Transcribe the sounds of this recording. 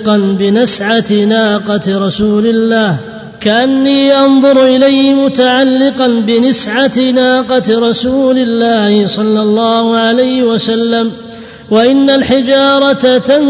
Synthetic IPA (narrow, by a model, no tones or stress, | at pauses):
qɑnbɪnɪsʕat̪naːqɑt̪ɾˤɑsuːlɪlːaːh | kaʔanːiːʔɑnðˤʊɾʔɪlajːmʊt̪aʕalːɪqɑnbɪnɪsʕat̪naːqɑt̪ɾˤɑsuːlɪlːaːhɪsˤɑlːɑlˤːɑːhʊʕalajhɪwasalːam | waʔɪnːalħɪd͡ʒɑːɾˤɑt̪at̪an